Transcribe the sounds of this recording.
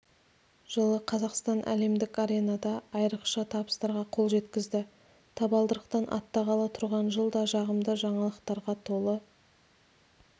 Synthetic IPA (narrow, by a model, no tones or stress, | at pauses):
ʒ̥əlˠəqʰɑzɑqst̪ɑnʔæ̰le̞md̪ɪkaɾʲe̞nɑd̪ɑːjɾəqʃət̪ʰɑbəst̪ɑɾʁɑqʰo̞lˠʒe̞t̪kʲɪzd̪ɪ | t̪ʰɑbɑlˠd̪əɾəqt̪ɑnʔɑ̰t̪ːɑʁɑlˠɑt̪ʰʊɾʁɑnʒəlˠd̪ɑʒɑʁəmd̪əʒɑɴɑlˠəqt̪ɑɾʁɑt̪ʰo̞lˠə